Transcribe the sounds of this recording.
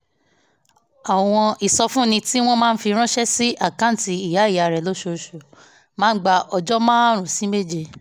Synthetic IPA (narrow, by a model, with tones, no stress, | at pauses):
a˨w̃ɔ̃˧ʔi˨sɔ˧fũ˦˨nĩ˧ti˦w̃ɔ̃˦mãː˦˧n̩˦fi˧ɾ̃ɔ̃˦ʃɛ˦si˦ʔa˦˨kã˦n̩˦ti˧i˨ja˨˦i˦˨ja˨ɾɛ˨lo˨˦ʃo˧ʃo˨ | mãː˦ɡ͡ba˧ʔɔ˧d͡ʒɔ˦mãː˦ɾ̃ũ˨si˨˦me˦˨d͡ʒe˧